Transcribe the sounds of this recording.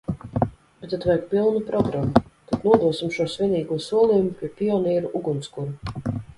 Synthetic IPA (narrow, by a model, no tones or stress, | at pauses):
bɛt̪at̪vɛjkpilˠnupɾɔɡɾamːut̪ad̪nuɔd̪uɔsimʃuɔsvʲiɛniːɡuɔsuɔlˠijumupʲiɛpʲiɔnʲiɛɾuʔuɡunt̪skuɾu